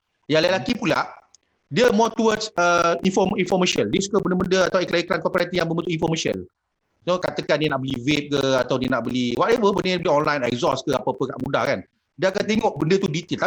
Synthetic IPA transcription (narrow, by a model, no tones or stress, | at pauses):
jalalakipula̰ʔ | diəmɔt̪uwədsəinfɔminfɔmaʃəndiəsu̥kəbəndəməndəat̪awiklaikɾankɔpiɾat̪ijaŋmbəmbənt̪uʔinfɔmaʃə̰̃n | sokat̪əkandiənaʔbəlivep̚kəat̪awdiənaʔbəliwaʔɛvəbəndəbəliɔnlajnɛ̰k̚zɔskəapəpəka̰ʔmuda̰hkan | diəakant̪eŋɔʔbəndət̪udit̪ilt̪a